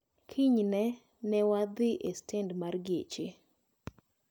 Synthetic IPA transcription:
kʰiɲnɛ | nɛwad̪ɪʔestɛndmarɡḛt͡ʃe

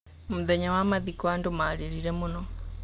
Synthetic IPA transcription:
muðɛɲawamaðikɔandomaːɾeɾiɾɛmonɔ

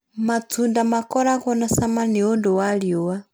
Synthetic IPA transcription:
mat͡sʰundamakɔɾakɔnasamaniɔndɔwaljɔwa

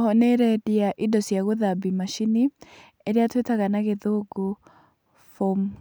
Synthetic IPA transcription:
hɔneɾɛdiaʔidɔsjaɣoðabimaʃini | eɾeatwetaɣanaɣeðoɡo | fom

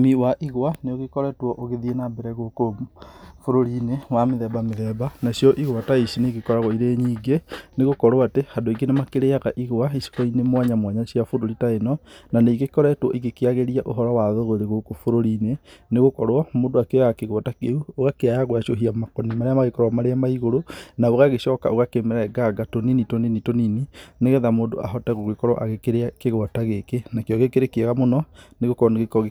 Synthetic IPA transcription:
miwaʔiɣwaneoɣekɔɾɛtwɔʔoɣeðienabeɾɛɣoko | foɾoɾinewameðɛbameðɛbanasjɔʔiɣwataisineiɣekɔɾaɣɔiɾeɲiːɡeneɣokɔɾwatehadoiɡenemakeɾeaɣaʔiɣoaisi̥kɔinemwaɲamwaɲasiafoɾoɾitaenɔnaneiɣekɔɾɛtwɔ̰ʔiɣekeaɣeɾiaʔoɦɔɾɔwaðoɣoɾeɣokofoɾoɾineneɣokɔɾwɔmoːndoakeɾaakeɣwɔtakeuoɣakeajaɣwaʃoɦiamakɔnimaɾeamaɣekɔɾwamaɾeamaiɣoɾonaoɣaɣeʃɔːka̰ʔoɣakemɛɾaɛɡaɡatoninitoninitoninineɣɛðamoːndo̰ʔaɦɔtaɣoɣekɔɾwɔ̰ʔaɣekeɾeakeɣwɔtaɣekenakjɔɣekeɾekeaɣamonɔneɣokɔɾɔneɣekɔɣe

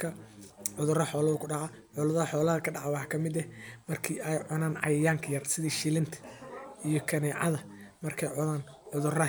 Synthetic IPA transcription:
kʰɐʕʊðʊrɐħɔːlɐðʊkʰʊɖɑʕa | ʕʊlɐðɐɐħɔːlɐðɐkʰɐɖɑʕɛwɑħɑkʰɐmɪd̪ɛmɐrkʰiːʔɛjʕʊnaːnʕɑ̰jɐjaːŋkʰɐjɐrsɪðiːʃilɪnt̪ʰɐ̥ʔijɞkʰɐnɛːʕɑ̰ðɐ | mɐrkʰɛjʕʊnaːnʕʊðʊrɐ

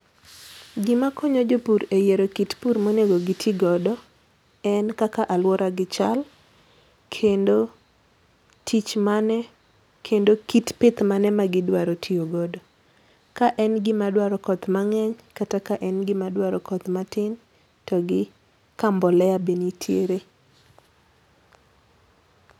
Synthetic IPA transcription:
ɡɪmakʰɔɲɔd͡ʒopuɾejeɾokitpuɾmoneɡoɡɪtʰiɡɔdɔ | ɛnkakaʔalwɔɾʔaɡɪt͡ʃal | kʰendo | tʰit͡ʃmanɛ | kʰendokitpɪt̪manɛmaɡɪdwaɾotʰioɡɔdɔ | kaʔɛnɡɪmadwaɾɔkɔt̪maŋɛɲkatakaʔɛnɡɪmadwaɾɔkɔt̪matɪn | tɔɡɪ | kambɔlɛjabenitʰjḛɾe

